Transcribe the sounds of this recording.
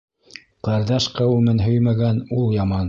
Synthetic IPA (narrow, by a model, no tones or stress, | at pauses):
qɑɾðɑʃqɑwʉmɘnɦɵjmæɡænulˠjɑmɑn